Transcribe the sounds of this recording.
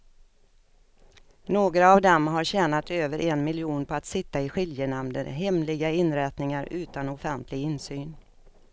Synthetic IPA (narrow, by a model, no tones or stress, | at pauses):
noːɡɾaːvd̪ɛmɦaɾɕɛːnat̪øːvəɾʔɛnmɪljuːnpʰɔat̪sɪt̪ːaɪɧɪljənamd̪ə̰ɾɦɛmlɪɡaɪnɾɛt̪nɪŋaɾʉ̟ːt̪anɔfɛnt̪ʰlɪɡɪnsyːn